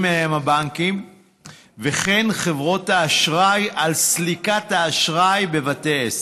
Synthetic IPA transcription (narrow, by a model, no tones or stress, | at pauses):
meajemabaŋkim | veχe̞nχe̞vʁo̞thaːʃʁajʔalslikathaːʃʁajbe̞vatees